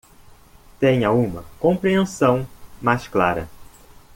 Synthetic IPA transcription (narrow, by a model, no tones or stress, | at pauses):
t̪ẽɲɐũmɐkõmpɾiẽsɐ̃w̃majsklaɾɐ̰